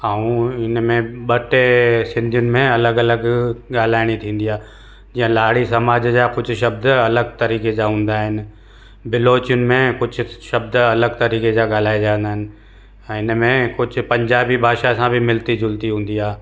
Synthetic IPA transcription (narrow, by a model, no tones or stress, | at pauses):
aːũɪnmẽɓɐʈesɪ̃nd̪ʱijʊnɪ̆mẽɐləɡɐləɡɠaːl̤aːɪɽ̃it̪ʰĩːn̆d̪ijaː | d͡ʑĩːə̃laːɽ̤isɐmaːd͡ʑd͡ʑakʊd͡ʑʱʊʃɐbd̪ɐləɡt̪ɐɾiːked͡ʑaɦũːnd̪aːɦɪnɪ̆ | bɪloːt͡ɕijʊnɪ̆mẽkʊd͡ʑʱʊ̆ʃɐbd̪ɐləɡt̪ɐɾiːked͡ʑaɠaːl̤aːid͡ʑãːnd̪aːɦɪnɪ̆ | ɛ̃ɪnmẽkʊd͡ʑʱʊ̆pɐ̃ɲd͡ʑaːbibʱaːʃasãbɪmɪlt̪id͡ʑʱʊlt̪iɦũːn̆d̪iaː